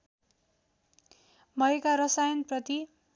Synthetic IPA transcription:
mʌekaɾʌsajʌnprʌt̪i

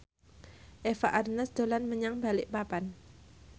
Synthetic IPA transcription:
ʔefaʔarnəsd̪̥o̤lanməɲaŋbalɪʔpapan

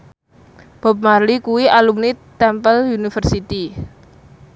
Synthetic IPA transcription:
b̥ɔ̤p̚marlikuwialumnit̪ɛmpəlunifərsit̪i

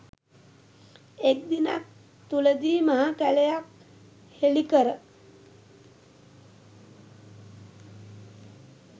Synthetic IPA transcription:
ek̚d̪ina̰k̚ | t̪uləd̪iːmaɦakælejak̚ | helikəɾə

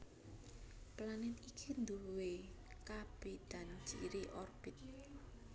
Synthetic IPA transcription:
planɪnikʰind̪uwe | kab̥ed̪̥an̥d͡ʒ̥iiɾiʔɔrb̥ɪt̪̚

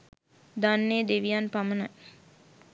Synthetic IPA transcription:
d̪anːeːd̪eʋijanpamənaj

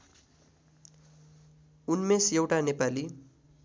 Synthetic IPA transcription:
unmesjewʈanepali

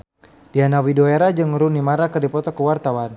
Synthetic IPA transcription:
d̥ianawidoeɾad͡ʒɨŋɾunimaɾakɨrdipɔt̪ɔkəwart̪awan

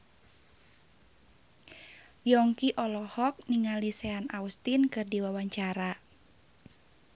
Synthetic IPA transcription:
jɔŋkiʔɔlɔhɔk̚niŋalisɛanaust̪inkɨrdiwawaɲt͡ʃaɾa

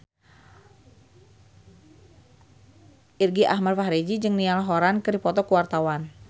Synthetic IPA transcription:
ʔirɡiʔahmadfaɦɾed͡ʒid͡ʒɨŋnialɦoɾankɨdipɔt̪ɔkəwart̪awan

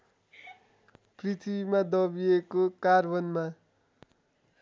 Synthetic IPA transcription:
prit̪ʰibimad̪ʌbiekokarbʌnma

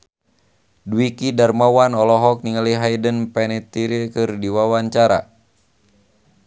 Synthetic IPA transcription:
duwikidarmawanɔlɔɦɔk̚niŋaliɦaidənpɛnɛt̪iɾikɨrdiwawaɲt͡ʃaɾa̰

